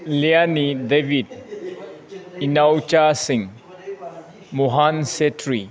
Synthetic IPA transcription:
lianidebʱid̚ | inawt͡ʃasiŋ | muɦansetʰɾi

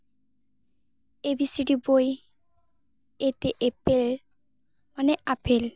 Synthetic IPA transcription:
ebisiɖiboj | et̪eʔepel | maneʔapʰel

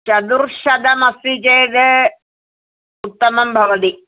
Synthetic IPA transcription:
t͡ʃɐd̪uɾʃɐd̪ɐmɐsid͡ʒejd̪e | ut̪ːɐmɐmbʱɐʋɐd̪i

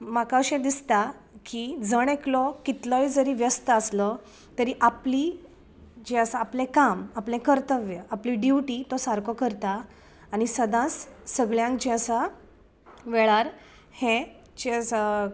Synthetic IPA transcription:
makaɕẽd̪ist̪a | kid͡zəɳ̃eklɔkit̪ləjd͡zəɾiːʋjəst̪əəslɔ | t̪əɾiːʔapliː | d͡ʑeəsaːplẽkamaplẽkəɾt̪əʋjəapliɖjiʈiːt̪ɔsaɾkɔkəɾt̪aː | ñisəd̪ãt͡sːəɡɭjãŋkd͡ʑẽəsa | ʋɛɭaɾ | hẽ | t͡ɕe

